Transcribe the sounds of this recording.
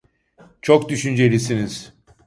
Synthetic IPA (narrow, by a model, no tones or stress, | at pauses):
t͡ʃʰo̞kd̪yʃynd͡ʒe̞lʲisiniz̥